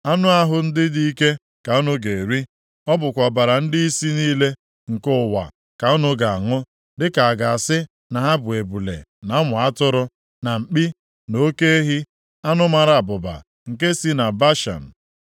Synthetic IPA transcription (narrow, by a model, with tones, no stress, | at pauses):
a˦nʊ˦a˦ɦʊ˦n̩˦dɪ˦di˦i˦ke˦ | ka˨o˦nʊ˦ɡe˨ɾi˦ | ɔ˦bʊ˨kʷa˨ba˨ɾa˨n̩˦di˦i˦si˦niː˦le˦ | ŋ̩˨kʊ˦˨wa̰˨ | ka˨ɔ˦nʊ˦ɡa˨a˨ŋʊ˦ | dɪ˦ka˨a˨ɡa˨a˨sɪ˦ | na˨ɦa˦bʊ˨e˨bu˨lḛ˨na˨˦ŋʊ˨a˦tʊ˦ɾʊ˦ | na˨m̩˨k͡pi˦ | no˦ke˦e˦ɦi˦ | a˦nʊ˦ma˨ɾa˨a˨bʊ˨ba̰˨ | ŋ̩˨k̬e˦si˦na˨ba˦ʃa̰˨n̩˨